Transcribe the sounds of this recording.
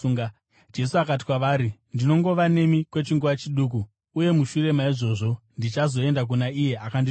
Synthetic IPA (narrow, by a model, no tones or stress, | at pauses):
ŋ | d͡ʒe̞suakati̥kwaʋaːɾindino̞ŋɡo̞ʋane̞mikwe̞t͡ʃiŋɡuʋat͡ʃiɗuːk̬uː | je̞muʃure̞maiʐo̞ːʐo̞ | ndit͡ʃazo̞e̞ndak̬unaije̞akandi